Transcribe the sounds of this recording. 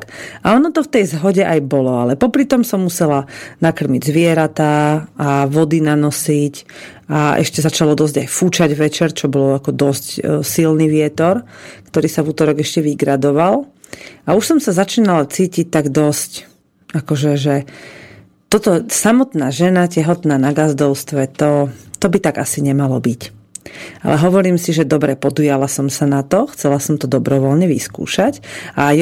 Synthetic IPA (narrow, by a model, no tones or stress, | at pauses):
aɔnɔt̪ɔft̪ɛjzɦɔɟɛʔajbɔlɔalɛpɔpɾit̪ɔmsɔmːusɛlanakr̩miɟzʋɪɛɾat̪aaʋɔd̪inanɔsic | aʔɛ̰ʃcɛzat͡ʃalɔd̪ɔzɟajfut͡ʃaɟʋɛt͡ʃɛɾt͡ʃɔbɔlakɔd̪ɔscsilniːʋɪɛt̪ɔɾkt̪ɔɾiːsavuːt̪ɔɾɔɡɛʃcɛʋiɡɾad̪ɔʋalauʃsɔmsazat͡ʃiːnalat͡siːcic̚t̪aɡd̪ɔsc | akɔʒɛʒɛ | t̪ɔt̪ɔsamɔt̪naːʒɛnacɛɦɔt̪naːnaɡazd̪ɔʊst̪ʋɛt̪ɔt̪ɔbit̪aɡasiɲɛmalɔbic | ʔa̰lʔɛɦɔʋɔɾiːmsiʒɛd̪ɔbɾɛpɔd̪ujalasɔmsanat̪ɔxt͡sɛlasɔmt̪ɔd̪ɔbɾɔʋɔlɲɛʋḭskṵːʃacaj